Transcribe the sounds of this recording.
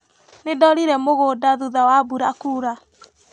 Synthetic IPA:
nedɔɾiɾɛmoɣodaðuðawabuɾakuːɾa

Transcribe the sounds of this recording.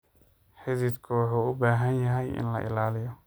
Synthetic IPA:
ħɪðɪd̪kʰʊwɑħuːʊbaːɦɐnjɐɦɛjɪ̰nlɐ̰ʔɪ̰laːlɪjɔ

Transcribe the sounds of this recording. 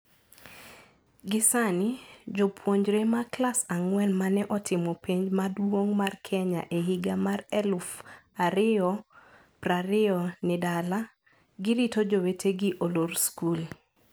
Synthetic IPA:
ɡɪsanɪd͡ʒopʰwoɲd͡ʒɾemaklasaŋwɛnmanɛʔɔtɪmɔpeɲd͡ʒmadwoŋmarkʰɛɲa̰ʔeɦiɡamarɛlfaɾɪɔ | praɾɪɔnɪdala | ɡɪɾitod͡ʒowetʰeɡɪʔolorskul

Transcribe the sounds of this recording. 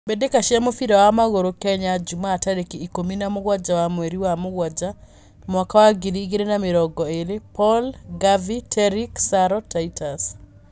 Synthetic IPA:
bedekaʃjamofiɾawamaɣoɾokɛɲad͡ʒumaːtaɾekiikominamʊɣwad͡ʒawamweɾiwamʊɣwad͡ʒa | mwakawaɡiɾiɡeɾenamɪɾɔɡɔeɾɪpɔlɡavitʰɛɾiksaɾɔtaitʰas

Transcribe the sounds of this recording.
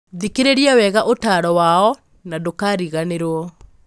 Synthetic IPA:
ðikeɾeɾiawɛɣaʔotaːɾɔwaɔ | nadokaɾiɣaneɾwɔ

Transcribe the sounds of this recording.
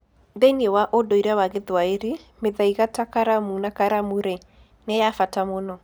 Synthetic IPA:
ðɛniewaʔodɔiɾawaɣeðwaeɾimeðaiɣatakaɾamunakaɾamuɾɛ | nɛjafatamonɔ

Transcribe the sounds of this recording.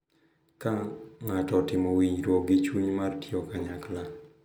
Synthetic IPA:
kaŋatɔtɪmɔwiɲɾwoɡɪt͡ʃwuɲmartiɔkaɲakla

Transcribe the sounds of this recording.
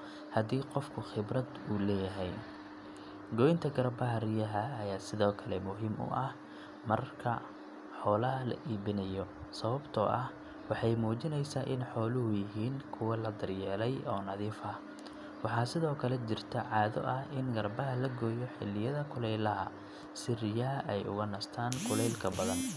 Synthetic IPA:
hɐd̪iːqɔfkʰʊxɪbrɐd̪uːlɛːjɐɦɛj | ɡɔːjɪnt̪ʰɐɡɐrbɐɦɐrɪjɐɦɐːjaːsɪðɔːkʰɐlɛmʊɦiːmʊ̰ʔɐh | mɐrkʰɐ̰ | ħɔːlɐɦɐlɐ̰ʔiːβɪnɐjɔsɐβɐbt̪ʰɔʔɐh | wɑħɑjmuːt͡ʃɪnɛjsaːʔɪnħɔːlʊɦʊjɪɦiːnkʰʊwɐlɐd̪ɐrjɛːlɛjɔːnɐðiːfɐ | wɑħɑːsɪðɔːkʰɐlɛt͡ʃɪrt̪ʰɐʕɑːðɔ̰ʔɐhɪnɡɐrbɐɦɐlɐɡɔːjɔħɪ̰lːɪjɐðɐkʰʊlɛjlɐɦɐ̰ | sɪrɪjɐɦɐʔɛjʊ̰ɣɐnɐst̪ʰaːnkʰʊlɛjlkʰɐbɐðɐn

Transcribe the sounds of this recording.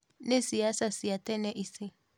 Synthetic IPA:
nesiasasiatɛnɛʔisi

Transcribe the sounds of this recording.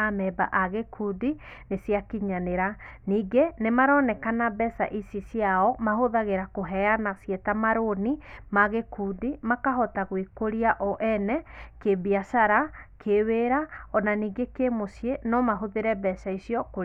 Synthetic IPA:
amɛbaʔaɣekʰudi | nesjakiɲaneɾaniːɡenemaɾɔnɛkanabɛsa̰ʔisisiaɔmaɦoðaɣeɾakoɦɛanasjɛtamaɾonimaɣekuːdimakaɦɔtaɣwikoɾiaʔɔʔɛnɛkebiasaɾakʰeweɾaɔnaniːɡekemosienɔmaɦoðeɾɛbɛsaisiɔkoɾ

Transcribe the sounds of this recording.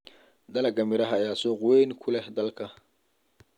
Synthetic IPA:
d̪ɐlɐɡɐmɪɾɐɦɐjaːsɔqʊwɛjnkʰʊlɛhd̪ɐlkʰɐ

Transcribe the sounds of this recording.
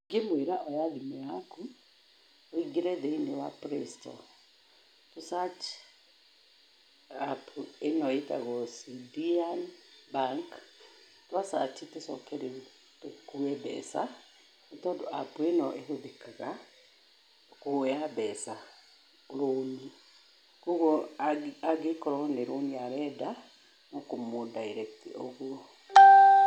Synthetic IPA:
ŋɡemweɾaʔɔjaðimɛaku | ɔiɡeɾɛðeinewapɾɛstɔ̰ | tusat͡ʃi̥ | apʰuenɔeta̰ɣɔsidianbaŋk | twasat͡ʃitesɔkɛɾe | tokuɛbɛ̰sa̰ | etɔdoapuenɔʔehoðekaɣa | koabɛsa | uɾoni | kuɣoaaɡekɔɾɔneɾoniaɾɛda | nɔkomodaiɾɛktḭoɣu

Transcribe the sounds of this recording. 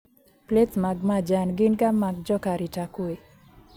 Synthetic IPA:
pletmaɡmad͡ʒanɡɪnɡamːaɡ̚d͡ʒɔkaɾitakue

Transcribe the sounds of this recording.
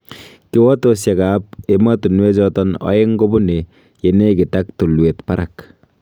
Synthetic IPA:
kiwɔt̪osjaɡap̚emɐt̪unwed͡ʒɔt̪ɔnɔ̰jeŋɡobune | jeneɡitak̚t̪uluet̪paɾak

